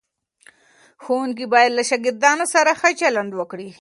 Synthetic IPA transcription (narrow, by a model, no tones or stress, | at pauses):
xowuŋk̬ibɑjad̪laʃaɡɪɾd̪ɑnosaɾaxət͡ʃaland̪wəkɽi